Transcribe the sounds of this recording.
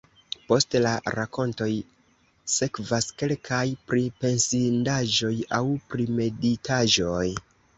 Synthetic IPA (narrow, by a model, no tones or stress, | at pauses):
po̞stelaɾako̞nto̞j | se̞kvaske̞lkʰajpɾipe̞nsindaʒo̞jawpɾime̞ditʰaʒo̞j